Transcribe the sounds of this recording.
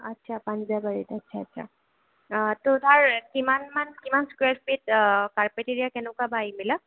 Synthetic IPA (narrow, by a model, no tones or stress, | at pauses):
atːsʰapanzabaɹitətːsʰaːtːʃʰa̰ | totaɹkimanmankimanskwɛtpitkaɹpeteɹijakɛnɛkwabajimila